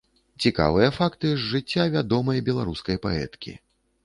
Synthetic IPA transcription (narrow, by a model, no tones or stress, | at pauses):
t͡sʲika̰vɨjɐfakt̪ɨzːɨt͡sʲːavʲad̪ɔmɐjbʲɛlˠaɾuskɐjpaɛ̰t̪kʲḭ